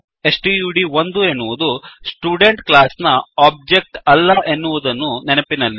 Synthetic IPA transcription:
e̞sʈiːjuːɽiʋond̪uenːuʋud̪usʈuːɖe̞ɳʈklaːsnɐaːb̚d͡ʒek̚ʈɐlːɐʔenːuʋud̪ɐnːunenɐpinɐlːi

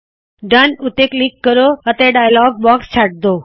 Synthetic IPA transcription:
ɖanut̪eklikːəɾoət̪eɖajlɔɡ̚bɔkst͡ɕʰaʈ̚d̪o

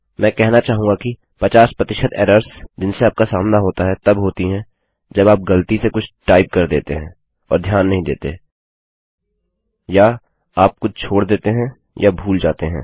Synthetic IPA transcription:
mɛ̃ːkɛɦnat͡ʃaːɦũŋɡaki | pɐt͡ʃaːspɾɐt̪ɪʃəd̪ɛ̰ːɾəɾsd͡ʒɪnseaːp̚kasaːmnaɦoːt̪aɦɛt̪ɐbɦoːt̪iɦɛ̃ː | d͡ʒɐbaːp̚ɡɐlt̪isekʊt͡ʃʰʈaːɪp̚kɐɾd̪ḛːt̪eɦɛ̃ː | ɔ̰ːɾd̪ʱjaːnːɐɦĩd̪eːt̪ḛɛ̃ | ja | aːp̚kʊt͡ʃʰoːɽd̪eːt̪eɦɛ̃ | jabʱuːld͡ʒaːt̪eɦɛ̰̃ː

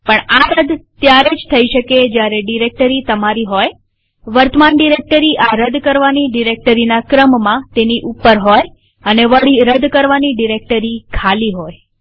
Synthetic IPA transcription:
pəɳaɾəd̪t̪jaɾed͡ʒt̪ʰəiʃəked͡ʒjaɾeɖiɾek̚ʈəɾit̪əmaɾiɦoj | ʋəɾt̪əmanɖiɾek̚ʈəɾiʔaɾəd̪kəɾʋaniɖiɾek̚ʈəɾinakɾəmːãt̪eniʔupːəɾɦoj | əneʋəɭiɾəd̪kəɾʋaniɖiɾek̚ʈəɾikʰaliɦoj

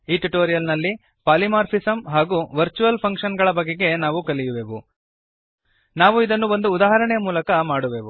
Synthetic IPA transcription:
iːʈuʈoːɾijɐlnɐlːi | paːlimaːɾpʰisɐmɦaːɡuʋɐɾt͡ʃuʋɐlpʰɐŋkʂɐnɡɐɭɐbɐɡːeɡe̞naːʋukɐlijuʋeːʋu | naːʋuid̪ɐnːuʋo̞nd̪uːd̪aːɦɐɾɐɳɛjɐmuːlɐkɐmaːɽuʋeːʋu

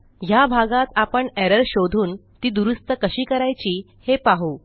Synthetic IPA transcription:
ɦjabʱaɡat̪apəɳɛɾəɾɕod̪ʱuːnt̪iːd̪uɾust̪əkəɕiːkəɾajt͡ɕiː | hepaɦuː

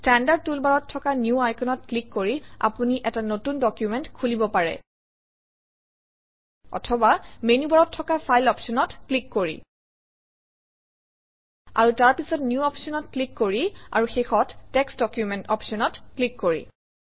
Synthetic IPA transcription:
stɛndaɹ̚tulbaɹɔtʰːɔkanjuajkʰɔnɔtklikːoɹia̰puniʔɛtanotundɔkjumɛntkʰulibɔpaɹɛ̰ | ɔ̰tʰɔbamenubaɹɔtʰːɔkapʰajlɔpsɔnɔtklikːoɹḭ | a̰ɹutaɹpisɔtnjuɔpsɔnɔt̚klikːoɹia̰ɹuxexɔtːɛksdɔkjumɛntɔpsɔnɔtklikːoɹḭ

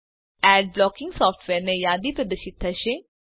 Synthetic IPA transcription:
ɛːɖ̚blɔːkɪ̃ŋɡsɔːfʈʰʋeːɾnejaːd̪ipɾɐd̪ɐʃɪt̪ʰːɐʃe

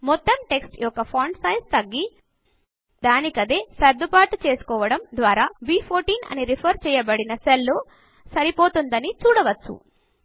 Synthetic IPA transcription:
mɔt̪ːɐmʈe̞ksʈjɔkːɐpʰɐːɳɖsɐjst̪ɐɡːi | d̪aːnikɐd̪eːsɐɾd̪upaːʈt͡ʃe̞ːsu̥kɔːʋɐɽɐmd̪ʋaːɾaːbiːpʰoːɾʈiːnɐ̰niɾipʰɐɾt͡ʃɛːjɐbɐɽinɐselːoː | sɐɾipo̞ːt̪und̪ɐnit͡ʃuːɽɐʋɐt͡ʃːṵ

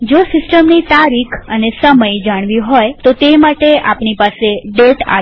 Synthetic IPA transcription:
d͡ʒosɪsʈəmnit̪aɾikʰənesəməjd͡ʒaɽ̃ʋiɦojt̪ot̪emaʈeapɳipaseɖeʈa̰

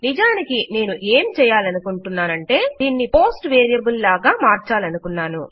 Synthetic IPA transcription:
nid͡ʒaːnikine̞ːnuʔe̞ːmt͡ʃɛːjaːlɐnukuɳʈunːaːnɐɳʈe̞ːd̪iːnːipo̞ːsʈʋeːɾijɐbullaːɡaːmaːɾt͡ʃaːlɐnukunːaːnu

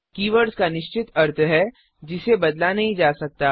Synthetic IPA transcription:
kiːʋəɾskanɪʃt͡ʃɪt̪ɐɾt̪ʰɦɛ | d͡ʒɪsebɐd̪lanɐɦĩd͡ʒaːsɐk̚t̪aː

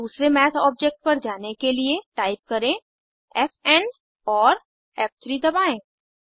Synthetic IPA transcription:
uːsɾemɛːt̪ʰɔːb̚d͡ʒek̚ʈ̚pɐɾd͡ʒaːnekelieʈaːɪp̚kɐɾẽ | ɛfɛn | ɔːɾ | ɛːp̚t̪ʰɾid̪ɐbaːẽː

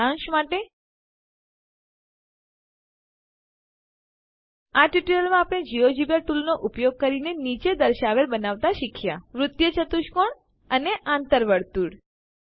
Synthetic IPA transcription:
ãʃmaʈe | aʈiʈiləlmãapɽ̃ed͡ʒiod͡ʒibjaʈulnoʔupjoɡ̚kəɾinenit͡ʃed̪əɾʃaʋeɾbənaʋt̪aʃɪkʰja̰ʋɾʊt̪jət͡ʃət̪uʃkoɳ | əneʔãnt̪əɾʋəɽt̪uɽ

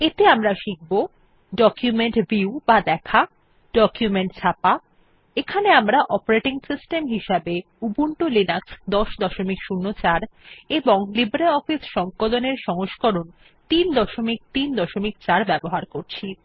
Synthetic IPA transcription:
et̪eamɾaʃik̚bo | ɖɔkjumeɳʈbiubad̪ɛkʰa | ɖɔkjumeɳʈt͡ɕʰapa | ekʰaneamɾaʔɔpoɾeʈiŋsisʈemɦiʃabe | ubuɳʈolinaksd̪ɔʃd̪ɔʃomikʃunːot͡ɕaɾeboŋlibɾelɔfisʃɔŋkoloneɾʃɔŋoʃkɔɾon | t̪ind̪ɔʃomik̚t̪ind̪ɔʃomik̚t͡ɕaɾbɛboɦaɾkoɾt͡ɕʰi

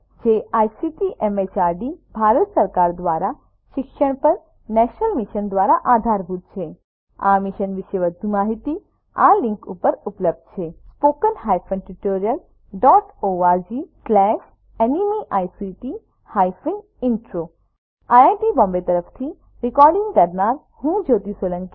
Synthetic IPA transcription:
d͡ʒeʔajsiʈiʔɛmet͡ʃaɾɖibʱaɾət̪səɾkaɾd̪ʋaɾa | ʃɪkʃəɽ̃pəɾ | nɛʃnəlmiʃənd̪ʋaɾaʔad̪ʱaɾbʱut̪̚t͡ʃʰe | a̰miʃənʋɪʃeʋəd̪ʱumaɦit̪i | a̰lĩŋkupəɾupləb̚d̪̚t͡ʃʰespokənɦajfʰə̃nʈuʈoɾijəl | ɖɔʈoad͡ʒislɛʃ | enimiʔajsiʈi | hajfiŋɡ | iɳʈɾo | aaʈibɔ̃mbet̪əɾəft̪ʰi | ɾɪkɔɾɖĩŋɡkəɾnaɾ | hũd͡ʒot̪isolə̃ŋki

